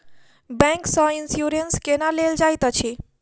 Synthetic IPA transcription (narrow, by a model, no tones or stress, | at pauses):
bɛ̃ŋksɔ̃insjuɾenskenaleld͡ʒajt̪ət͡ʃʰi